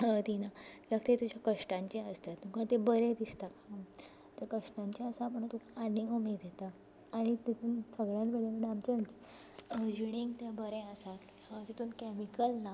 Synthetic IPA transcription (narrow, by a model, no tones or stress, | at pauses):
t̪inaakt̪et̪ud͡ʑakəʂʈãɲt͡ɕeəst̪at̪mũkãt̪ebəɾẽd̪ist̪aka | t̪akəʂʈãɲt͡ɕiəsaːpəɳt̪ukʰaːnĩŋɡumed̪et̪aː | ɽ̃it̪et̪uːnsəɡɭjãnbeleɡəɽamt͡ɕet͡ɕ | d͡ʑiɽ̃ĩŋɡt̪abəɾẽəsat̪ | ãt̪et̪uːnkɛmikəlna